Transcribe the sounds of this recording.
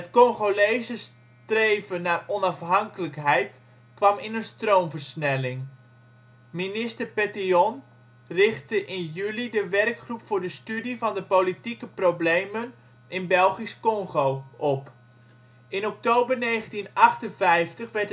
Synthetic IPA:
ətkɔŋχolejzəs | trejvənaːrɔnɑfɦɑŋkələkɦɛjt | kʋɑmɪnənstrowmvərsnɛlɪŋ | minɪstərpɛtiɔn | rɪχtəʔɪnjylidəʋɛrkχrupfʊːɹdəstydivɑndəpolitikəproblejmən | ɪnbɛlˠχiskɔŋχowʔɔp | ɪnɔk̚toːbərneːχəntinɑχtənvɛjftəχʋɛɹt

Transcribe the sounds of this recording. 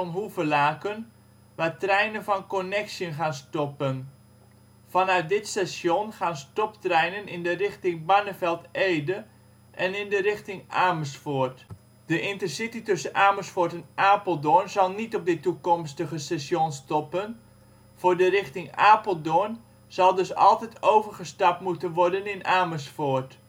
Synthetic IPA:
nɦuvəlaːkən | ʋaːtrɛjnənfɔnkonɛksjənχaːnstɔpən | fɑnœɥt̚dɪtsɛsjonχaːnstɔptrɛjnənɪndərɪxtɪŋbanəfɛlˠtʔeːdə | ʔɛnɪndərɪxtɪŋaːməsfort | d̥əʔɪntərsititɵsənʔaːməsfʊtɛnʔaːpəlˠdonzɑlˠnitɔp̚dɪtukɔmstəχəsɛsjonstɔpən | v̥ʊːɹdərɪχtɪŋaːpəlˠdʊn | z̥ɑlˠdɵsɑ̰lˠtɛtowvərχəstɑp̚tmutənʋɔɹdənɪnaːməsfort

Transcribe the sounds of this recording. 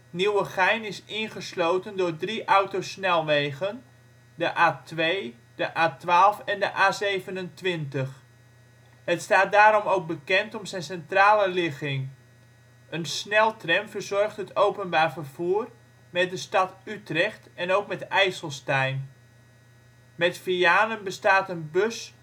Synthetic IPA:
niwəχɛjnɪsɪnχəslowtəndʊːɹdriʔʌwtosnɛlˠʋejɣən | dəʔaːtʋej | dəʔaːtʋaːlˠfɛndəʔaːzejvənəntʋɪntəχ | hətstaːt̚daːɾɔmowk̚bəkɛntɔmzɛjnsɛntraːləlɪχɪŋ | ənsnɛlˠtrɛnvərzɔrχtɦətowpənbaːrfərv̥uːr | mɛt̚dəstɑtytrɛxtɛnowkmɛtɛjsəlˠstɛjn | mɛtfijaːnənbəstaːtənbøs

